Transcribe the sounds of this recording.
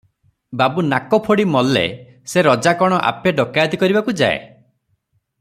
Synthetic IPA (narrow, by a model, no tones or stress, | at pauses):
babunakɔpʰoɽimɔlːḛ | seɾɔd͡ʒakɔɽ̃ɔʔa̰peɖɔkajd̪ikɔɾibakud͡ʒa̰ḛ